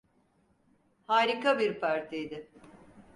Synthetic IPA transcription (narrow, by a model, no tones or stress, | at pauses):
haːɾikabiɾpʰaɾt̪ʰijd̪ɪ